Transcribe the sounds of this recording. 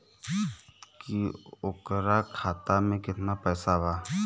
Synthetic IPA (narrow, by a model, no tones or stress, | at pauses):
kiʊkɾakʰaːt̪amẽkɪt̪napɛːsabaː